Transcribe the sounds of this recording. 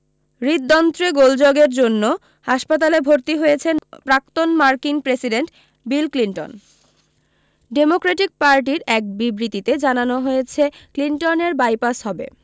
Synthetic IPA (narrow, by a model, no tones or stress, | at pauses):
ɾid̪d̪ɔnt̪ɾeɡold͡ʑoɡeɾd͡ʑonːo | haʃpat̪̬alebʱoɾt̪iɦojet͡ɕʰenpɾak̚t̪onmaɾkinpɾesiɖeɳʈ | bilkliɳʈo̰n | ɖemokɾeʈik̚paɾʈiɾɛk̚bibɾit̪it̪ed͡ʑananoɦojet͡ɕʰeklinʈoneɾbajpasɦɔbḛ